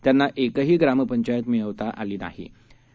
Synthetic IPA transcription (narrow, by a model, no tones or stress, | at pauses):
t̪janːaʔekəɦiːɡɾaməpəɲt͡ɕajət̪miəʋt̪aʔaliːna̰ɦḭ